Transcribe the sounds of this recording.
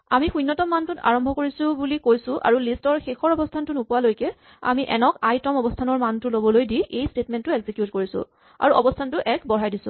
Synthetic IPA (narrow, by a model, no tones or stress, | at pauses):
amixujnːɔtɔmːantʊta̰ɹɔmbʱɔkoɹisʊbulikojsʊ̃ʔa̰ɹulistɔɹxexɔɹɔbɔstʰantʊnʊpuwalojkɛ | a̰miʔɛnɔkajtɔmɔbɔstʰanɔɹmantʊlobɔlojdiʔejstetmɛntːʊeɡzikjutkoɹisʊ̰ | a̰ɹuʔɔ̰bɔstʰantʊʔɛkbɔɹajdisʊ̰̃